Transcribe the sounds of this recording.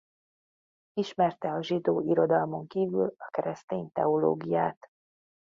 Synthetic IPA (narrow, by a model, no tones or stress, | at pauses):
iʃmɛrt̪ɛɒʒid̪oːʔiɾo̞d̪ɒlmo̞ŋkiːvy̰lɒkɛɾɛst̪eːnt̪ɛ̰olo̰ːɡijaːt̪